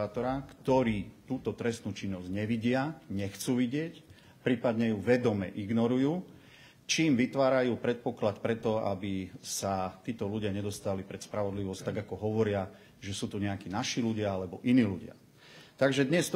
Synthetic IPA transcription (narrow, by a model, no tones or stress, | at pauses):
aːt̪ɔɾakt̪ɔɾiːt̪uːt̪ɔt̪ɾɛst̪nuːt͡ʃinːɔzɟɲɛʋiɟɪaɲɛxt͡suːʋiɟɪɛc | pɾiːpad̪ɲɛjuʋɛd̪ɔmɛ̰ʔiɡnɔɾujuː | t͡ʃiːmʋit̪ʋaːɾajuːpɾɛt̪̚pɔklat̪pɾɛt̪ɔa̰bisat̪iːt̪ɔluɟɪaɲɛd̪ɔst̪alipɾɛt̪spɾaʋɔd̪liʋɔst̪aɡakɔɦɔʋɔɾɪa | ʒɛsuːt̪uɲɛakiːnaʃiːluɟɪaalɛbɔʔiniːluɟɪa̰ | t̪aɡʒɛd̪ɲɛst̪